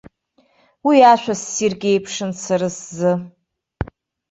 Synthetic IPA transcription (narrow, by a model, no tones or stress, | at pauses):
wijaʃʷᶣasːirɡʲe̞jpʰʂɨnsaɾɨszɨ